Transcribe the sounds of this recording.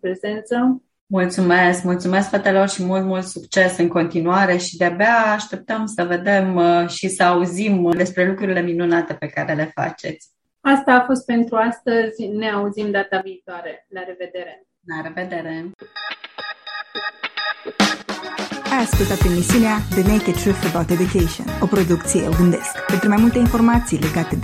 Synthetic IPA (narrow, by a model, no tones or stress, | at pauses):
pɾeze̞nt̪sə | mult̪sume̞skmult̪sume̞skfɾat̪elo̞rʃimult̪mult̪sukt͡ʃe̞sɨŋko̞nt̪inuaɾe̞ʃid̪eabeaːʃt̪e̞p̚t̪əmsəve̞d̪e̞mʃisəauzimd̪e̞spɾe̞lukɾuɾile̞minunat̪e̞pe̞kaɾe̞le̞fa̰t͡ʃe̞t̪sʲ | ast̪aːfo̞st̪̚pe̞nt̪ɾuast̪əzʲne̞auzimd̪at̪aviːt̪oaɾe̞laɾe̞ve̞d̪e̞ɾe̞ | laɾe̞ve̞d̪e̞ɾe̞ | ajaskult̪at̪emisiunead̪əneket̪ʃufubawt̪ed̪ukejʃio̰nopɾo̞d̪ukt̪sijḛoɡɨnd̪e̞skpent̪ɾumajmult̪e̞info̞rmat̪sijle̞ɡat̪e